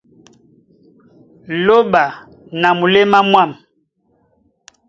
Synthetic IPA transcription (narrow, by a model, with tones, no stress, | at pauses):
lo˦ɓa˨ | na˨mu˨le˦ma˦mwa˦˨m